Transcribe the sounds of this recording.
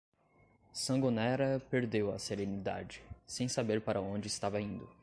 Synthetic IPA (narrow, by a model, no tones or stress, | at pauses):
sɐ̃ɡonɛɾɐpeɾd̪ewɐseɾẽnid̪a̰d͡ʒɪsẽj̃sabeɾpaɾʔɐõd͡ʒɪːst̪avɐĩnd̪ʊ